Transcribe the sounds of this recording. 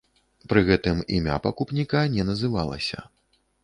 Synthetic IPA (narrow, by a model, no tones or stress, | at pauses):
pɾɨɣɛt̪ɨmḭmʲa̰pɐkupnʲikanʲɛnɐzɨva̰lˠɐ̰sʲɐ̰